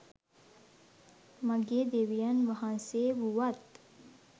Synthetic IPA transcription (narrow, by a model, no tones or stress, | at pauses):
məɡeːd̪eʋijanʋaɦãnseːʋuʋat̪